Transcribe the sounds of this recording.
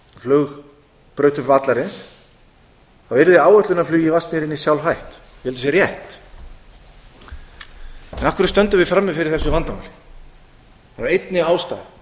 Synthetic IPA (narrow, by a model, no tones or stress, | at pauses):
flœɣ | pɾœːɥt̪ʏvat̪laɾɪns | θawvɛɾðɪaːwœt̪lʏnaflyːjɪvast̪mɛɾɪnisjawlɦajht̪ | ɛlt̪ʏsjɛɾjɛht̪ | ɛnakvʏɾʏst̪œnt̪ʏmvɪfɾamːɛfɪɾɪɾ̥θɛsːʏvant̪amalɪ | aaɾejt̪nɪaːwst̪a̰ːð